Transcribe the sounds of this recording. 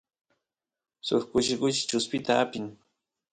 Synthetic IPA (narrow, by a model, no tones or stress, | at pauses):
sʊ̰χkʊʃɪkʊʃɪ̥t͡ʃʊspɪt̪aapɪŋ